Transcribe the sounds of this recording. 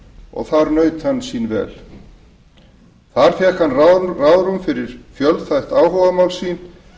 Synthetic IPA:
ɔ̰ɣθaɾnœːɥt̪hanːsiːnvɛ̰ːl | θaɾ̥θjɛkhanːrarawðɾʏmfɪɾɪɾ̥fjœlðθajht̪aːwɦɔvamawlsiːn

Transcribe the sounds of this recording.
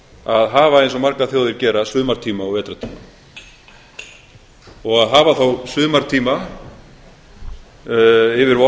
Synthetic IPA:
aðɦaːvaejns̬ɔmaɾkaθjoːwðɪɾcɛːɾasʏːðmaɾ̥t̪ʰiːmaɔɣvɛːt̪ɾat̪ʰiːma | ɔɣaðɦaːvaθawsʏːðmaɾt̪ʰiːma | ɪvɪɾvɔ

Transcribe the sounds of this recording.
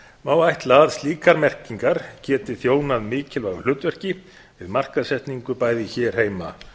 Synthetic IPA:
maːwajht̪laːðst̪liːkaɾmɛr̥ciŋkaɾ̥cɛːt̪ɪθjoːwnaðmɪːcɪlvaːɣʏ̥l̥ʏːt̪vɛr̥cɪ | vɪðmar̥kaðsɛht̪niŋkʏpaːjðɪçɛːɾ̥heːjma̰

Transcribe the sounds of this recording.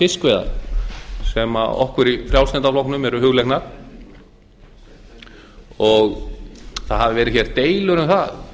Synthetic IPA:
fɪskvejða̰ɾ | sɛma̰ɔ̰hkʏɾifɾjawsɛnt̪aflɔwknʏmɛɾʏhʏɣlejknaɾ̥ | ɔɣ | θaðɦavɪvɛːɾɪçɛɾɪ̥ɾt̪eːjlʏɾʏmθað

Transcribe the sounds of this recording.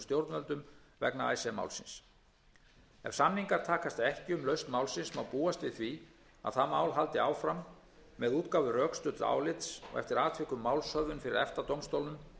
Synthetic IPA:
st̪jowɾt̪nvœlt̪ʏmvɛ̰knaa̰jsɛma̰wlsɪns | ɛ̰v̥samniŋkaɾ̥t̪ʰaːkast̪ɛhcɪʏmlœɥst̪mawlsɪnsmawpuːast̪vɪð̥θvi | a̰ðθamːaːwlɦalt̪ɪaːwfɾamː | ɛðuːt̪kaːwvʏrœːkst̪ʏt̪la̰ːwlɪt̪sɔ̰ɣɛ̰ft̪ɪɾaːt̪ʰvɪkʏmːaːwlsœðʏnfɪɾɪɾðɛft̪at̪owmst̪owlnʏm

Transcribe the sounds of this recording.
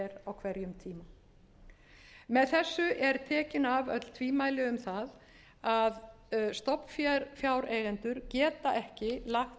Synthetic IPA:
ɛɾawkʰvɛɾjʏmt̪ʰiːma | mɛðθɛsːʏʔɛɾt̪ʰɛːcɪnavœ̰t̪l̥t̪ʰviːmaːjlɪʏmθað | að | st̪ɔpn̥fjaɾfjaːwɾeːjɣɛnt̪ʏɾcɛːt̪aʔɛhcɪlax

